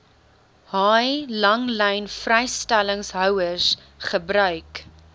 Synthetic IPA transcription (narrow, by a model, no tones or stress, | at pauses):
hɑjlɐŋlɛjnfrɛjstæləŋsɦœwəs | χəbɾœɥk